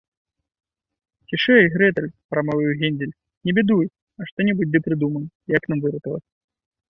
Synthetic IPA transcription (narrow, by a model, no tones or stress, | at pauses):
kʲiʂɨjɣɾɛt̪ɐlʲpɾɐmavʲɨjwɣʲɛnʲdʲɪlʲ | nʲɛbʲɛd̪uj | ɐʂt̪ɔnʲibud͡zʲd̪ɨpɾɨd̪umɐnʲ | jɐknamvɨɾɐt̪ɐlɐ̰t͡sʲ